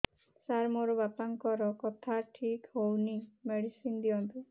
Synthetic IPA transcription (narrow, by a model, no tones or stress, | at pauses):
saɾmoɾɔbapaŋkɔɾɔkɔt̪ʰaʈʰikhownimeɽisind̪iɔnt̪i